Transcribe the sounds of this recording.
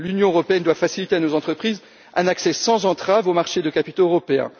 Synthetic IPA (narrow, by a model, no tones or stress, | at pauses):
lynjɔ̃øʁɔpeɛnd̪wafasilit̪eanozɑ̃t̪χəpχiz | ʔɛ̰̃naksɛsɑ̃zɑ̃t̪χavomaʁʃed̪əkapit̪oøʁɔpeɛ̰̃